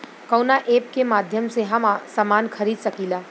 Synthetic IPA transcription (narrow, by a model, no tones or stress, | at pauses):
kɐwnaʔeːp̚kemaːd̪ʱjəmseɦɐmasamaːnkʰɐɾiːd̪sɐkiːlaː